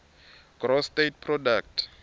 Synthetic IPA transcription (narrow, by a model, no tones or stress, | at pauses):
ɡ̥rɔstetpʰrɔdak̚tʰ